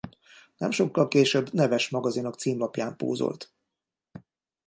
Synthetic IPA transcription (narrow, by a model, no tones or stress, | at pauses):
nɛmʃo̞kːɒlkeːʃøbnɛvɛʃmɒɡɒzinokt̪siːmlɒpjaːmpo̰ːzo̰lt̪